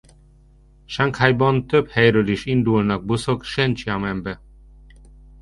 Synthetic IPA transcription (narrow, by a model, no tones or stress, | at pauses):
ʃaŋkhajbɒnt̪øphɛjɾøːliʃind̪ulnɒɡ̚busokʃɛnt͡ʃiɑmɛmbɛ